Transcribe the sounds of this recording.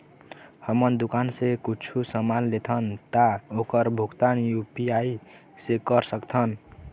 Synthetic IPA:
hʌmʌnd̪ukansekut͡ʃʰusʌmanlet̪ʰʌnt̪aokʌɾbʱuɡt̪anjupiaj | sekʌɾsʌkt̪ʰʌn

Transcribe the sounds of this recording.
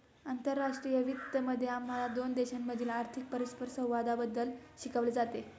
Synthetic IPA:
ant̪əɾːaʂʈɾijəʋit̪ːəməd̪ʱːjeamalad̪ond̪eɕanːəd̪ʱiːlaɾt̪ʰik̚pəɾispəɾsə̃w̃ʋad̪abəd̪ːəlɕikaʋled͡zat̪e

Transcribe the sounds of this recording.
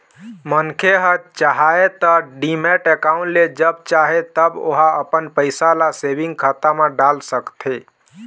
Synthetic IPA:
mənkʰeɦət̪̚t͡ʃaɦaet̪ɔɖimeʈekaũɳʈled͡ʒəb̚t͡ʃaɦet̪əbo̰ɦaəpənpəɪsalasebiŋɡkʰat̪ameɖalsəkt̪ʰe

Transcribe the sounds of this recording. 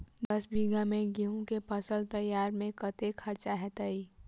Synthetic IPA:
d̪əsbiɡamẽɡiũkepəsəlt̪əjaːɾmẽkət̪ekʰɐɾt͡ʃaɦɛt̪əi

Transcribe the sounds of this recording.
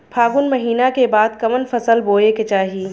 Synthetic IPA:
pʰaːɡʊnmɐɦiːnakebaːd̪kɐmənfɐsəlboːeket͡ʃaːɦiː

